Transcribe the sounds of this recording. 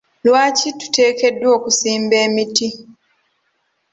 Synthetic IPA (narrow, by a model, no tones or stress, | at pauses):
lwaːcitu̥te̞ːke̞dːwo̞ːkusiːmbe̞ːmiti